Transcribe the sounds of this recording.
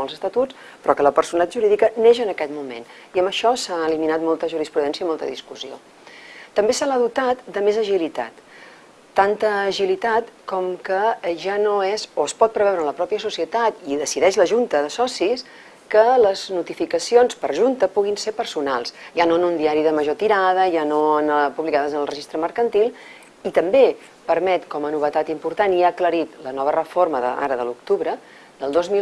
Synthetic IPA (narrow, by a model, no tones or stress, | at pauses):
ɔlˠzəst̪ət̪ut͡s | pɾɔkələpəɾsunət̪at̪ʒuɾiðikəneʃənəkɛt̪mumḛn | iəmbəʃɔsaəliminat̪mɔlˠt̪əʒuɾispɾuðɛnsjəimɔlˠt̪ə̰ðḭskuzio̰ | t̪əmbesəlaðut̪at̪d̪əmezəʒilit̪a̰t̪ː | ant̪əːʒilit̪at̪kɔmkəʒanoɛzoəspɔt̪̚pɾəβɛwɾənləpɾɔpiəsusiət̪at̪iðəsiðɛʃləʒunt̪əðəsɔsis | kələznut̪ifikəsionspəɾʒunt̪əpuɣinsepəɾsunalˠsʒanoənund̪iaɾiðəməʒot̪iɾaðəʒanoənpuβlikaðəzənəlˠrəʒist̪ɾəməɾkənt̪ilˠ | it̪əmbe | pəɾmɛt̪kɔmənuβ̞ət̪at̪impuɾt̪aniakləɾit̪lənɔβ̞ərəforməðə̰a̰ɾəðə̰luk̚t̪uβɾə | d̪əlˠd̪ozmi